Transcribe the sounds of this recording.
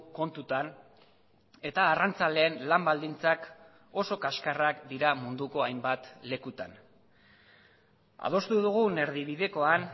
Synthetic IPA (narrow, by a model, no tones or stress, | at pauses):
ko̞nt̪ut̪an | e̞t̪aːrant͡sale̞ːnlambald̪int͡sak | o̞so̞kaskarakd̪iɾamund̪uko̞ajmbat̪le̞kut̪an | a̰ðo̞st̪uðuɣ̞une̞ɾðiβiðe̞ko̞an